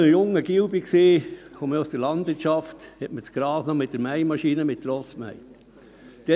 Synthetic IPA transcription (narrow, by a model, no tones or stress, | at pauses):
əjʊŋːəɡiwbiksiːxoməusd̥əɾlɑnd̥̪ʋɪɾtt͡ʃɑft̪hɛtmət͡sɡ̥ɾɑːsnɔmɪt̚d̥əɾmæɪmɑʃiːnəmɪt̚ːɾɔsmæ̰ɪ | d̪̥ɛ